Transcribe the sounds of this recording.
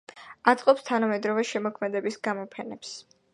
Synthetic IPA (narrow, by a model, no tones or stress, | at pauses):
at̪sʼqʼɔpst̪ʰanamɛd̪ɾɔvɛʃɛmɔkʰmɛd̪ɛbisɡamɔpʰɛnɛps